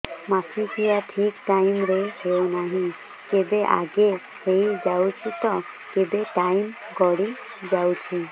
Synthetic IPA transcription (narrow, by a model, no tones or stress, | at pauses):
masʰikʰijaʈʰikʈajmɾeɦewnaɦĩ | kebeʔa̰ɡe | hejd͡ʒawt͡ʃʰit̪ɔ | kebeʈajm | ɡɔɽi | d͡ʒawt͡ʃʰi